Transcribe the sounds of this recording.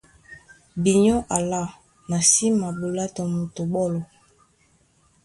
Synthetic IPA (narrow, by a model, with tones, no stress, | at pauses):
bi˨ɲɔ˦ʔa˨la˦˨ | na˨si˦ma˨bu˨la˦to˨mu˨to˨bɔ˦˨lɔ˨